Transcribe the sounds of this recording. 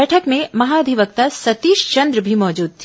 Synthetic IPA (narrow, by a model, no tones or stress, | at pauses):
ɛʈʰəkmẽmɐɦaːɐd̪ʱiʋək̚t̪asɐt̪iːʃt͡ʃɐ̃nd̪ɾəbʱimɔːd͡ʒuːd̪̚t̪ʰi